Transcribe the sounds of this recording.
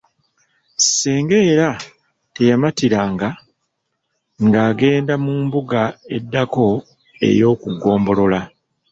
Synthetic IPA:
seːŋɡe̞ːɾa | te̞jamatiɾaːŋɡa | ŋɡaːɡe̞ːndamuːmbuɡae̞dːako̞ | e̞̰jo̞ːkuɡo̞ːmbo̞lo̞la

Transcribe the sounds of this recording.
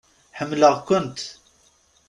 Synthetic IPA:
ħəmːləʁkʷʊnt̪

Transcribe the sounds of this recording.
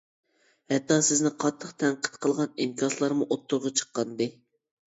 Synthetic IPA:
hɛt̪ːɑsɪznɪqʰɑt̪ʰːəqt̪ʰɛɴqʰə̥t̪qʰəlˠʁɑnimkʲʰɑslˠɑɾmuʔot̪ʰːʊɾʁɑt͡ʃʰə̥qːɑnd̪ɨ

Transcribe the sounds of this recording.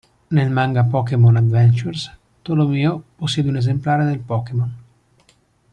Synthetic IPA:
nelmaŋɡapɔːkemonad̪vɛnt͡ʃurs | t̪olomiːoposːjeːd̪eunezemplaːɾed̪elpɔːkemon

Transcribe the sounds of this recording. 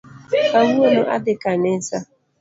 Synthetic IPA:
kaŋuonoʔa̰dɪkanesa

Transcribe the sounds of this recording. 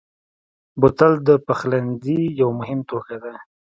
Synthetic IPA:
bʊt̪ald̪əpaxland̪ijawmʊɦɪmt̪okad̪a

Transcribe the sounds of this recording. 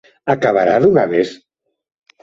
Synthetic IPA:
akaβaɾaðuɣaβes

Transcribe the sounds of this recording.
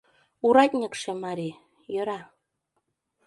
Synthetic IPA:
uɾɑtʲnʲɤ̆kʃĕmɑɾi | jø̆ɾɑ

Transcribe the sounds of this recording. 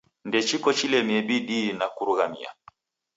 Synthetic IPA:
ndɛt͡ʃikɔt͡ʃilɛmiɛɓiɗinakuɾuɣamḭa̰

